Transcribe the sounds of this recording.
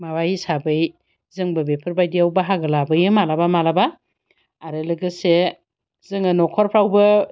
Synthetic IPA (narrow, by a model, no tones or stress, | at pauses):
mawajsabɯj | zɯŋbɯbepʰɯɾbajdiawbaɦaɡɯlabɯjɯmalabamalabaː | ɾɯlɯɡɯse | zɯŋɯnɔkʰɔɾpʰɾawbɯ